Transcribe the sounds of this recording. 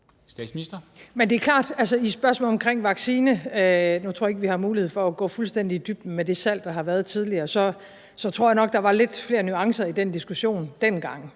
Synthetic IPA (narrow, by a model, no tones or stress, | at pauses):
sd̥ɛ̰sminisd̥ɐmend̥e̝æɐkʰlɑ̰̈ːd̥ælsəisb̥ɶɐsmɔ̰ːlɒ̽mkʰʁeŋ̰ʋɑ̈ɡ̥siːnəønut͡sʰo̰ɐ̰eɡ̚əʋihɑ̈muːlihḛfɒ̽æɡ̥ɔ̰̽ːfulsd̥en̰d̥id̥yb̥d̥̩med̥e̝sæl̰d̥ɑ̈ɦɑ̈ʋæɐð̞ˠt͡sʰið̞ˠliɐːsɒ̽ | sɒ̽t͡sʰʁo̝ɐ̰jɑ̈nɒ̽ɡ̥̚d̥ɑ̈ʋɑ̈le̝d̥fle̝ːɐnyɑ̈ŋsɐid̥end̥isɡ̥uɕo̝̰ːnd̥enɡ̥ɑ̈ŋ̰